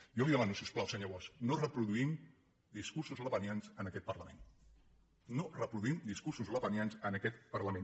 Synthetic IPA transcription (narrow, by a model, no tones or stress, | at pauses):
jowiðəmanusiusplawsəɲoβɔsnorəpɾuðuim | d̪iskuɾsuzləβənjanzənəkɛt̪̚pərləmen | norəpɾuðuimd̪iskuɾsuzləβənjanzənəkɛt̪pəɾləmen